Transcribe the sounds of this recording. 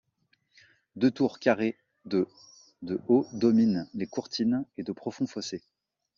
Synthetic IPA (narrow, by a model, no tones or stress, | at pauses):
d̪øt̪uʁkʲaʁe | d̪ə | d̪əod̪ɔminlekuʁt̪ʰined̪əpχɔfɔ̃fɔse